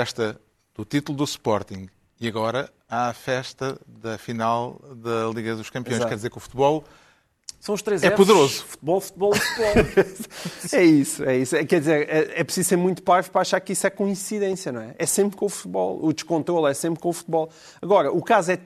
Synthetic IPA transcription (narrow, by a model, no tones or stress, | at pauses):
ɛʃt̪ɐ | ðut̪it̪ulˠd̪uspɔɾt̪ĩŋɡ | iɐɣɔɾɐ | aɐfɛʃt̪ɐðɐfinalˠðɐlˠiɣɐðuʃkɐ̃mpiõʃkɛɾðizeɾkufu̥t̪̚βɔlˠ | sɐ̃w̃uʃt̪ɾezɛpuðɨɾozufu̥t̪̚βɔlˠfu̥t̪̚βɔlˠfut̪βɔ | ɛisuɛisɛkɛɾðizeɾɛɛpɾɨsizseɾmũj̃t̪upaɾvpɾaʃaɾkiswɛkoĩsiðẽsjɐnɐ̃w̃ɛʔɛsẽmpɾkõufu̥t̪βɔ̰lˠud̪ɨʃkõnt̪ɾolˠɛsẽmpɾkõufu̥t̪̚βɔlˠ | ɐɣɔɾɐʔukazɛ